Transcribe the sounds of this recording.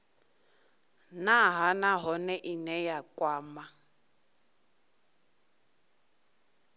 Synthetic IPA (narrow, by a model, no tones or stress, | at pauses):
naɦanaɦɔnɛʔinɛjakʼwaːma